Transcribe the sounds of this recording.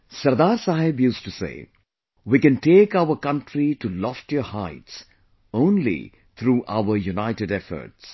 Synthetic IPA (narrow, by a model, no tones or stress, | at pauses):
sɐɾd̪aːɾsaɦɪbjuːzʈusḛː | wikɛ̃nʈeːkaʊəɾkʌ̃nʈʰɾiʈulɔfʈjɔhaɪts | õːnlḭ | t̪ʰɾuːʔa̰ʊəɾjunaɪʈeɖɛfə̰ɾʈs